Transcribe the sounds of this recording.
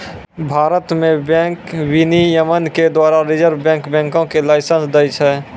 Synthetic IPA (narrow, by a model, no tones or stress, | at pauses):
bʱaːɾət̪mẽbɛ̃ːŋkwinijəmənked̪waːɾaɾɪd͡ʒəɾbbɛ̃ŋkbɛ̃ːŋkõkelaːɪsə̃nsd̪əjt͡ʃʰɛ